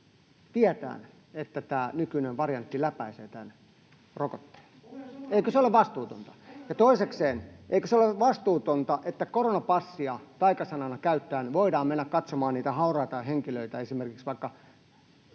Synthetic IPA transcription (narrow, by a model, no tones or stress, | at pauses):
t̪iæt̪æ̰ːn | et̪ːæt̪æːnykyneʋʋɑrjɑnt̪ːilæpæisḛːt̪æn | rokot̪ːe̥ːneikøseoleʋʋɑst̪uːt̪o̰nt̪ɑ̥jɑt̪oisekseːnʔḛikøseoleʋʋɑst̪uːt̪ont̪ɑʔet̪ːækoronɑpɑsːiɑt̪ɑikɑsɑnɑnɑkæyt̪ːæːnʋoidɑːmmenːækkɑt̪somɑːnniːt̪æhɑurɑjt̪ɑiheŋkiløit̪æesimerkiksʋɑikːɑ